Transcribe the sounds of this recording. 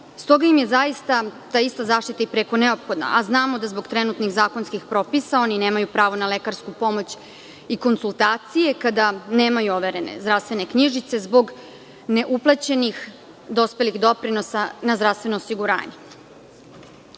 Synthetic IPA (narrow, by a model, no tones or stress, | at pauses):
st̪o̞ɡaimje̞zaist̪at̪aːist̪azaːʂt̪it̪aipɾeko̞ne̞o̞pxo̞d̪na̰ʔaznaːmo̞d̪azbo̞ɡt̪ɾenut̪niɣzaːko̞nskixpɾo̞pisao̞nine̞ːmajupɾaːʋo̞nale̞kaɾskupo̞mo̞t͡ɕ | iko̞nsulˠt̪aːt̪sije̞kad̪aneːmajuo̞ʋe̞ɾe̞nḛzd̪ɾaʋst̪ʋe̞ne̞kɲiʒit̪se̞zbo̞ɡ | ne̞ʔuplˠat͡ɕe̞nix | d̪o̞spe̞lixd̪o̞pɾino̞sanazd̪ɾavst̪ʋe̞noːsiɡuɾa̰ːɲe